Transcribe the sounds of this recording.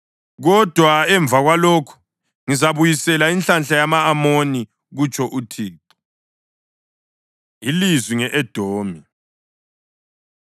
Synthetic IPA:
ɣɔd̥ʱwaɛɱb̪vʱaɣwalokʰu̥ | ŋizaβujisɛlaint͡ɬanɬajamaːmoni | ɣut͡ʃʼʰɔʔutʰiːǃu̥ | ilizwiŋɛʔɛd̥ʱoːmi

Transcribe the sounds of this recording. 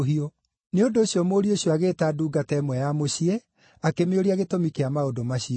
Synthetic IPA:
ɦio | neondoːɕjɔmoːɾioɕijɔaɣeːtaduːɡatɛːmwɛjamoɕiɛ | akemeoɾiaɣetomikeamaodomaɕiɔ

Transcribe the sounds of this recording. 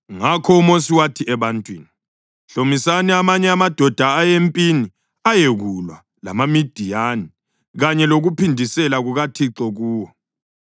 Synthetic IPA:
ŋakʰɔumos̬iwatʰiɛβantʼwḭːni | ɬomisanɛamaɲɛamad̥ʱɔd̥ʱaːjempʼini | ajeɣulwa | la̰mamid̥ʱijani | ɣaɲɛloɣupʰindʱisɛlaɣuɣatʰiǁɔɣuːwɔ

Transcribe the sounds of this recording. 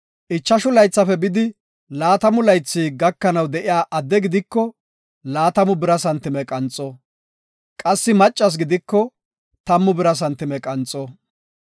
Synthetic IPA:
ʔɪt͡ʃːɐʃʊlɐjt͡sːɐfɛbɪd̪ɪ | laːt̪ɐmʊlɐjt͡sːiːɡɐkːɐnɐwd̪ɛʔɪjaːʔɐd̪ːɛɡɪd̪ɪkːɔ | laːt̪ɐmʊbɪɾɐsɐnt̪ːɪmɛkʼɐnt͡sʼɔ | kʼɐsːɪmɐt͡ʃʼːɐs̬ɡɪd̪ɪkːɔ | t̪ɐmːʊbɪɾɐs̬ɐnt̪ːɪmɛkʼɐnt͡sʼɔ

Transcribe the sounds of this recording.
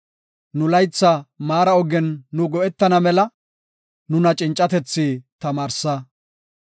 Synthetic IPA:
nʊlɐjt͡sːɐmaːɾɐɔɡɛnːʊɡɔʔɛt̪ːɐnɐmɛlɐ | nʊnɐt͡ʃʼɪnt͡ʃʼːɐt̪ɛt͡sːiːt̪ɐmaːɾsɐ

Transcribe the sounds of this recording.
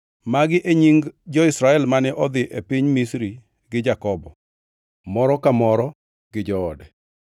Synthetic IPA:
maɡɪʔeɲiŋɡd͡ʒɔɪsɾaɛlmanɛʔɔd̪ɪʔepiɲmisɾi | ɡɪd͡ʒakɔbɔ | mɔɾɔkamɔɾɔ | ɡ̥ɪd͡ʒɔːdɛ

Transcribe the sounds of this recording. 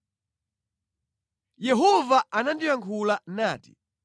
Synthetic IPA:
jɛɦɔvaanandiwaŋkʰulanaːti̥̰

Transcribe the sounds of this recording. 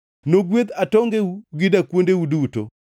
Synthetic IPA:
noɡwet̪atɔŋɡeuɡɪdakwondewuduto̰

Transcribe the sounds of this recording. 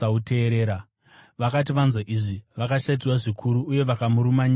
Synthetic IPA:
aute̞ːɾeːɾa | ʋakat̬iʋanzwaʔiʐiʋakaʃait̬iwaʐikʰuɾuːje̞ʋakamuɾumaɲi

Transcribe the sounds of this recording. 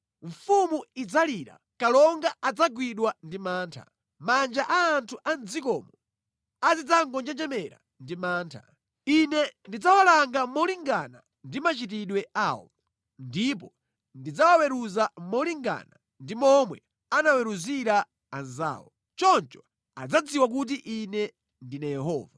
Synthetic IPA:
ɱfumuid͡zaliɾa̰ | kalɔŋɡaad͡zaɡwiɗwandimaːntʰa̰ | mand͡ʒaʔaːntʰuʔand͡zikɔːmɔ | azid͡zaŋɡɔnd͡ʒɛd͡ʒɛmɛɾa̰ | ndimaːntʰa̰ | inɛndid͡zawalaŋɡamɔliŋɡana̰ | ndimat͡ʃit̬iɗwɛawɔ̰ | ndip̬ɔ | ndid͡zawawɛɾuzamɔliŋɡa̰na | ndimɔmwɛ | anawɛɾuziɾaː | nza̰ːwɔ̰ | t͡ʃɔnt͡ʃɔ̥ | a̰d͡zad͡ziwak̬ut̬iʔinɛ | ndinajɛɦɔ̰ːva

